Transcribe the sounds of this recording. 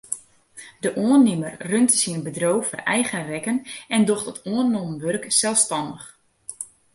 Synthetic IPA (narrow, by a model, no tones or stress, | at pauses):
dəʔoənɪmərrøntəsiənbədrowfɔrɛjɣərɛkənɛndoxtɔtʰoərnːoməʋørksɛlˠfstɑndəχ